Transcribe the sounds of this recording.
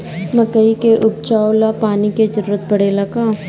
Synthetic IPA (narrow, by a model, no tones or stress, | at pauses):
mɐkəikeʔʊb̚t͡ʃaːolapaːniked͡ʒəɾɾət̪̚bɐɽelakaː